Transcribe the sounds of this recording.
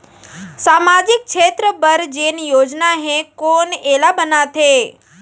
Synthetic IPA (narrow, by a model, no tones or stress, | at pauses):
saːmaːd͡ʑɪk̚t͡ʃʰeːt̪ɾəbəɾd͡ʑeːnijoːd͡ʑnaɦẽkoːneːlabənat̪ʰeː